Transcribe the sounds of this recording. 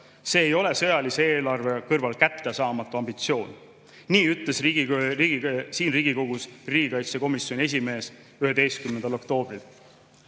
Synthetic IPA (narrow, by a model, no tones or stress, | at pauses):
se̞ːjo̞le̞sɤ̞jɑliseeːlɑrve̞kɤrvɑlkæt̪ːesɑːmɑt̪ːˑuɑmb̥it̪sio̞ːn | niːyt̪ːˑle̞sriɡiɡsiːnriːɡ̥iko̞ɡ̥usriːɡ̥ikɑjt̪se̞ko̞misjo̞nʲie̞s̬ʲime̞ːs | yhe̞d̪e̞jst̪kymnend̪ɑlo̞kt̪o̞ːb̥ril